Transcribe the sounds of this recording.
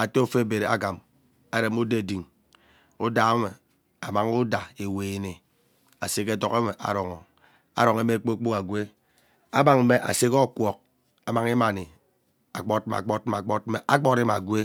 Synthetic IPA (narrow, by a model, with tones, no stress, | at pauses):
a˨te˦o˦fe˦˨be˨ɾe˨a̰˦ɡa˨m | a˦ɾe˨mu˦de˦˨di˨ŋ | u˦da˨˦me˨ | a˨ma˨ŋu˦da˨e˨weː˨ne˨ | a˨se˦ke˦to˦ke˦me˨ʔa̰˨ɾɔ˨ŋɔ˨ | a̰˦ɾo˨ŋe˦me˦˨k͡po˦k͡pu˦ka˨ɡwe˦ | a˦ba˨ŋm̩˦me˦ʔa̰˨se˦kɔ˦kʷɔ˨k̚ | a˨ma˨ŋi˦ma˨ni˨ | a˨k͡pɔ˦t̚ma̰˨k͡pɔ˦t̚m˨a˨k͡pɔ˦t̚me˨ʔa˦k͡pɔ˦ɾe˦ma̰˨ɡʷe˦